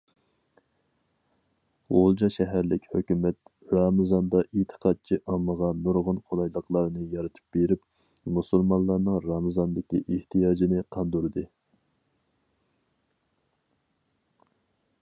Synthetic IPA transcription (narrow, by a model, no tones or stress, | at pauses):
ʁolˠd͡ʒɑʃɛɦæɾlɪkʲhøkʲymɛt̪ | ɾɑmɨzɑnd̪ɑʔet̪ʰə̥qʰɑt̪̚t͡ʃʰiʔɑməʁɑnuɾʁʊnqʰolˠɑjlˠəqlˠɑɾɨnɨjɑɾɨt̪ʰɨ̥p̚beɾɪp | musulˠmɑnlˠːɑɾnɨŋɾɑmɨzɑnd̪ɪkʲiʔeht̪ʰijɑːd͡ʒinɨqʰɑnd̪uɾɨd̪ɨ